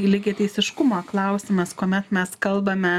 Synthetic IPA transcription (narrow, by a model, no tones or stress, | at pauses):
lʲɪɡʲɪt̪ɛɪsʲɪʃkʊmoːklˠɐʊsʲɪmɐskoːmʲɛt̪mʲɛskɐlˠbɐmʲɛ